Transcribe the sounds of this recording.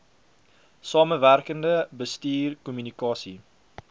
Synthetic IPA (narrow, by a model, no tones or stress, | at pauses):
sɑːmənværkəndəbəstiːrkumynikɑːsi